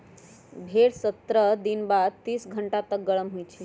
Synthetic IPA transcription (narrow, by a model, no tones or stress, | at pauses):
bʱeɽsət̪ɾəd̪inbad̪̚t̪iːsɡʱəɳʈat̪ək̚ɡəɭəmɦujt͡ʃʰe